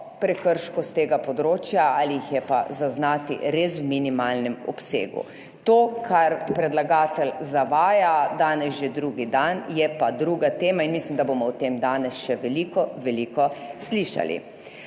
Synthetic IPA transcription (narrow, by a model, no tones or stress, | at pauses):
pɾɛkəɾʃkɔst̪eːɡapɔd̪ɾoːt͡ʃjaaliixjɛpa̰zaznaːt̪ḭɾeːswminimaːlnɛmɔ̰psḛːɡṵ | t̪oːkʰaɾpɾɛd̪laɡaːt̪ɛlzaʋaːjad̪aːnɛsʒed̪ɾuːɡid̪anjɛpad̪ɾuːɡat̪eːmainmislimd̪aboːmɔwt̪emd̪aːnɛsʃɛʋɛlikɔʋɛliːkɔsliːʃa̰lḭ